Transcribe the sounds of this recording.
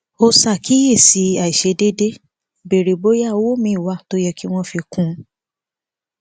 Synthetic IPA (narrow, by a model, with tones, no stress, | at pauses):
o˧sa˦˨ki˨˦je˦˨si˨˦a˨i˨ʃe˨˧de˦de˦ | be˨ɾe˨bo˨˦ja˦˨o˦wo˦˨mĩ˨˦i˦˨wa˦˨to˦jɛ˧ki˦w̃ɔ̃˦fi˧kũ˦